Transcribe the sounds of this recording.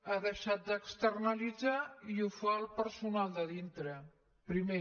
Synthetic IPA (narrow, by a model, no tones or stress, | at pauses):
aðəʃat̪̚d̪əkst̪ərnəlid͡zaiufaəlˠpəɾsunalˠd̪əðint̪ɾə | pɾime